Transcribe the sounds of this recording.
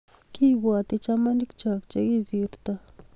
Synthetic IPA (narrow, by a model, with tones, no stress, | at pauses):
ki˦βwa˨t̪i˦t͡ʃa˦ma˦ni˦kt͡ʃa˨kt͡ʃe˦ki˦zi˨ɾt̪a˦